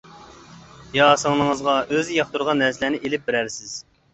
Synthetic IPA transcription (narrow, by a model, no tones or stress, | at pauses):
jɑːsəŋnɨŋəzʁɑøzɪjɑχt̪uɾʁɑnːæɾslænɪʔelɪp̚bɪɾæɾsɪz̥